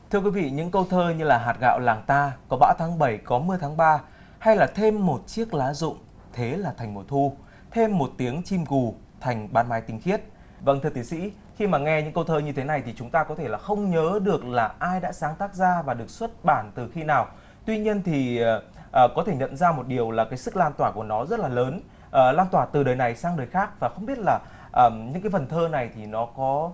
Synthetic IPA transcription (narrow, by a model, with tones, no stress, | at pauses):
t̪ʰɨ˧əkwi˨˦vḭ˧˨ɲɨ̰˧˥ŋkə˧wt̪ʰəː˧ɲɨ˧laː˨˩ɦaː˨˩t̚ɣa̰ː˧˨wlaː˨˩ŋt̪aː˧kɔ˨˦ɓa̰ː˧˥wt̪ʰaː˨˦ŋɓə˧˩jkɔ˨˦mɨ˧əjt̪ʰaː˨˦ŋɓaː˧ | ha˧jlaː˨˩t̪ʰe˧mːo˨˩t̚t͡ɕi˦˥ək̚laː˨˦zʊ̰˧˨ŋ͡m | t̪ʰe˨˦laː˨˩t̪ʰa˨˩jŋ̟mo˨˩t̪ʰu˧ | t̪ʰe˧mːo˨˩t̚t̪i˨˦əŋt͡ɕi˧mku˨˩ | t̪ʰa˨˩jŋ̟ɓaː˨˧nmaː˨˦jt̪ï˧ŋ̟xi˦˥ət̚ | və̰˧˥nt̪ɨ˧˩t̪ʰːsḭ˧˥ | xi˧maː˨˩ŋɛ˧ɲɨ̰˧˥ŋkə˧wt̪ʰəː˧ɲɨ˧t̪ʰe˨˦na˨˩jt̪ʰi˨˩t͡ɕʊ˨˦ŋ͡mt̪aː˧kɔ˨˦e˧˩laː˨˩xə˧wŋ͡mɲəː˨˦ɗɨ˨˩ək̚laː˨˩ʔaː˧jɗa̰ː˧˥saː˨˦ŋt̪aː˦˥k̚zaː˧vaː˨˩ɗɨ˨˩ək̚swə˦˥t̚ɓaː˧˩nt̪ɨ˨˩xi˧naː˨˩w | t̪wi˧ɲi˧ənt̪ʰi˨˩˨ | ʔəː˨˩kɔ˨˦t̪ʰe˧˩ɲə̰˧˨nzaː˧mo˨˩t̚ɗi˨˩əwlaː˨˩kaː˨˦jsɨ˦˥k̚laː˧nt̪waː˧˩ku˧˩ənɔ˨˦zə˦˥t̚laː˨˩ləː˨˦n | ʔəː˨˩laː˧nt̪waː˧˩t̪ɨ˨˩ɗəː˨˩jna˨˩jsaː˧ŋɗəː˨˩jxaː˦˥k̚vaː˨˩xə˧wŋ͡mɓi˦˥ət̚laː˨˩ | ʔəː˨˩ɲɨ̰˧˥ka˨˦fə˨˩nt̪ʰəː˧na˨˩jt̪ʰi˨˩nɔ˨˦kɔ˨˦